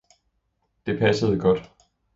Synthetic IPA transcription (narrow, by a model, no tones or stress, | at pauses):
d̥e̝pʰæsəð̩ˠɡ̥ɒ̽d̥